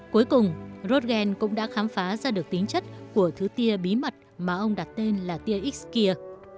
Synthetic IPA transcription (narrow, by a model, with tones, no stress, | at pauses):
ku˨˦jkʊ˨˩ŋ͡mzo˦˥t̚ɣɛ˧nkʊ̰˧˥ŋ͡mɗa̰ː˧˥xaː˨˦mfaː˨˦zaː˧ɗɨ˨˩ək̚t̪ï˨˦ŋt͡ɕə˦˥t̚ku˧˩ət̪ʰɨ˨˦t̪i˧əɓi˨˦mə˨˩t̚maː˨˩ʔə˧wŋ͡mɗa˨˩t̚t̪e˧nlaː˨˩t̪i˧əʔi˦˥k̚ski˧ə